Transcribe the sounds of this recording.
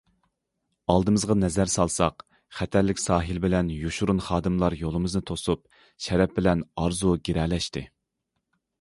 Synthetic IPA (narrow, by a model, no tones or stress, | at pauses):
ɑlˠd̪ɨmɨzʁɑnɛzæɾsɑlˠsɑq | χɛt̪ʰæɾlːɪkʲsɑːɦɨlbɪlɛnjuʃuɾunχɑːd̪ɨmlˠɑɾjolˠɨmɨznɨt̪ʰosup̚ | ʃɛɾɛp̚bɪlɛnɑɾzuɡʲeɾɛlɛʃt̪ɪ